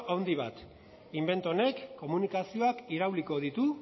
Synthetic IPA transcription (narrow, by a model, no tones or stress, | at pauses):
ʔawnd̪iβ̞a̰t̪ | imbe̞nt̪one̞kːo̞munikasio̞akiɾawliko̞ðit̪u